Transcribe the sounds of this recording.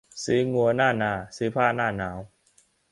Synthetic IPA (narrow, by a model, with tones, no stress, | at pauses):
si˨˦ŋu˧ɐnaː˥˩naː˧˩siː˨˦pʰaː˥˩naː˥˩naː˨˦˥w